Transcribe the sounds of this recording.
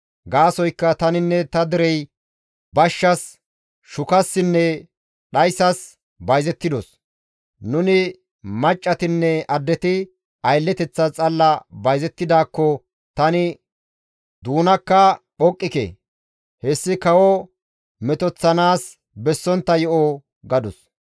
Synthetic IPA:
ɡaːsɔjkːɐt̪ɐnɪnːɛt̪ɐd̪ɪɾɛj | bɐʃːɐs | ʃʊkɐsːɪnːɛ | ɗɐjsɐs | bɐjzɛt̪ːɪd̪ɔs | nʊnɪ | mɐt͡ʃʼːɐt̪ɪnːɛɐd̪ːɛt̪ɪ | ɐjlːɛt̪ɛt͡sːɐt͡sʼɐlːɐbɐjzɛt̪ːɪd̪aːkːɔ | t̪ɐnɪ | d̪uːnɐkːɐ | ɔkʼːɪkɛ̰ | hɛsːɪkɐwɔ | mɛt̪ɔt͡sːɐnaːs | bɛsːɔnt̪ːɐjɔʔɔ | ɡɐd̪ʊs

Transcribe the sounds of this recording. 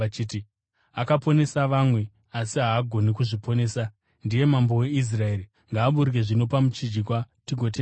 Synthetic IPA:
at͡ʃiːti | akapo̞ne̞saʋamwe̞ | asiɦaːɡʱo̞nikuʐipo̞ne̞ːsa | ndije̞mambo̞we̞is̬raeːɾi | ŋɡaːɓuɾike̞ʐino̞pamut͡ʃid͡ʒikwatiɡʱo̞t̬e

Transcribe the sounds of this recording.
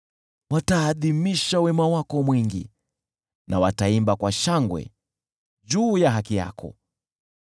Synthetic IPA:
wataːðimiʃawɛmawakɔmwiŋɡḭ | nʔa̰wataimbakwaʃaŋɡwɛ̰ | ʄuːjaɦakija̰kʰɔ̰

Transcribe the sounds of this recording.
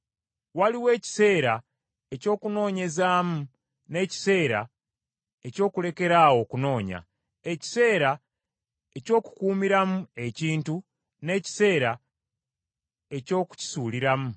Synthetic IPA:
waliwe̞ːci̥se̞ːɾa | e̞co̞ːkuno̞ːɲe̞zaːmu | ne̞ːci̥se̞ːɾa̰ | e̞co̞ːkule̞ke̞ɾaːwo̞kuno̞ːɲa̰ | e̞ci̥se̞ːɾa | e̞co̞ːku̥kuːmiɾamue̞ciːntu | ne̞ːci̥se̞ːɾa | e̞co̞ːku̥ci̥suːliɾamu

